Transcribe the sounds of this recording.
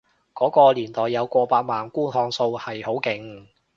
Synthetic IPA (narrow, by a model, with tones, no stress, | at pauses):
kɔː˨˥kɔː˧liː˨˩nt̪ɔː˨jːɐ˨˧wkʷɔː˧paː˧k̚maː˨˩nkuː˥nɦɔː˧ŋso˧whɐ˨jho˨˥wkɪ˨˩ŋ